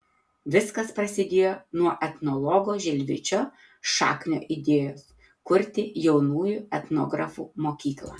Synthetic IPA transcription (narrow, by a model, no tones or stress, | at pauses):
ʋʲɪskɐspɾɐsʲɪd̪ʲeːjoːnuɔʔɛt̪nɔlˠɔɡoːʒʲɛlʲʋʲɪt͡ʃʲoː | ʃɑ̰ːknʲo̰ːʔɪd̪ʲeːjoːs | kʊɾʲt̪ʲɪjɛʊnuːjuːɛt̪nɔ̰ːɡɾɐfuːmoːkʲiːklˠɑ̰ː